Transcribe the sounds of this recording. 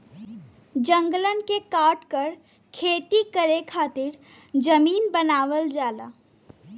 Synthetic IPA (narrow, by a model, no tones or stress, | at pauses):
d͡ʒə̃ŋɡlənkekaːʈkəɾ | kʰeːt̪ikəɾekʰaːt̪ɪɾ | d͡ʒəmiːnbənaːʋəld͡ʒaːdaː